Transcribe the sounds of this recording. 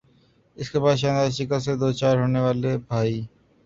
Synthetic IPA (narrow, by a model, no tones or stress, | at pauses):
ɪskebaːd̪ʃãːnd̪aːʃɪkased̪oːt͡ʃaːɾɦoːneʋaːlebʱaːiː